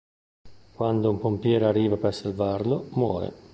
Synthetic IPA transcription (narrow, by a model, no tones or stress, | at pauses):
kwand̪oumpompjɛːɾariːvapersalvaɾlomwɔ̰ːɾḛ